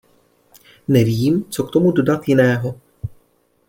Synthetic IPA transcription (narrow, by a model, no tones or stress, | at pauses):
nɛviːmt͡so̞kt̪o̞mudo̞dat̪jɪnɛːɦo̞